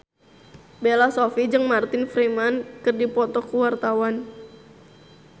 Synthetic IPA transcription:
belasofid͡ʒɨŋmart̪ɪnfɾimankɨrdipɔt̪ɔkuwart̪awan

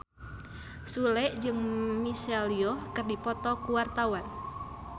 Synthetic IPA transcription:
sulɛʔd͡ʒɨŋmisɛliɔkɨrdipɔt̪ɔkuwart̪awan

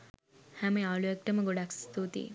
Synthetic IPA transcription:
hæməjaluɛk̚ʈəməɡoɖakst̪uːt̪ḭː

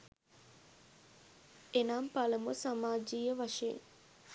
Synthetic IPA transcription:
enaːmpaləmusamaːd͡ʒiːjəʋaʂeḛŋ

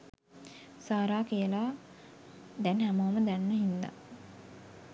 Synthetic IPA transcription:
saːɾaːkijəlaː | d̪ɛnhæmoməd̪ænːəɦind̪a̰

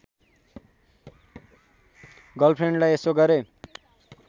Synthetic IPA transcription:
ɡʌlpʰreɳɖlajesoɡʌɾe

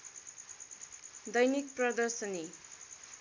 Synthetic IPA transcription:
d̪ʌjnik̚pɾʌd̪ʌɾsəni

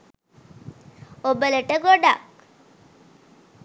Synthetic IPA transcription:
obələʈəɡoɖak̚

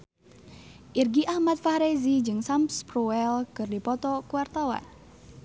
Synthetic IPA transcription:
ʔirɡiʔahmat̪̚fahɾezid͡ʒɨŋsampspɾuɛlkɨrdipɔt̪ɔkuwart̪awa̰n

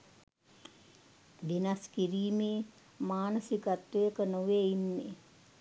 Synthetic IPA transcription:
d̪inaskiɾiːmeː | maːnəsikat̪ʋəjəkənoʋeinːe

